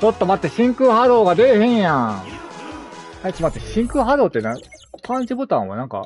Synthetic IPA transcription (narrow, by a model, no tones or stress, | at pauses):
t͡ɕot̪ːomat̪ːeɕĩŋkɯɦaɾoːɡad̪ehẽɰ̃jã | aikʲimat̪ːeɕĩŋkɯ̟ɦaɾoːt̪ːena | pʰãɲd͡ʑibot̪ã̰βa̰nãŋka̰